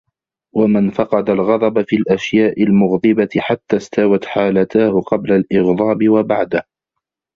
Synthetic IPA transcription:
wamɪnfɑqɑd̪alɣɑd̪ˤɑbafiːlʔaʃjaːʔɪlmʊɣd̪ˤɨbaɪħat̪ːaːst̪awat̪ħaːlat̪aːhʊqɑblalʔɪɣðˤɑːbɪwabaʕd̪ah

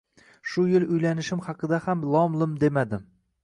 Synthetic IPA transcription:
ʃʊjɪlʊjlanɪʃɪmhɑqɨd̪ahamlˠɒmlˠɨmd̪emad̪ɪ

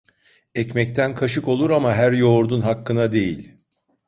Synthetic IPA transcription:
ɛcmɛc̚t̪ʰænkʰaʃɯko̞lˠuɾamaɦæɾjo̞ɾd̪unɦakːɯnad̪e̞jilʲ

